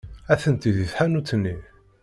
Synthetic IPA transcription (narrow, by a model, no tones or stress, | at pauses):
æθənt̪iðiθħanut͡sːənːi